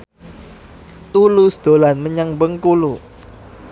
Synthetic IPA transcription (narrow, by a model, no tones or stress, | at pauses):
t̪ulusd̪̥olanməɲaŋbəŋkulu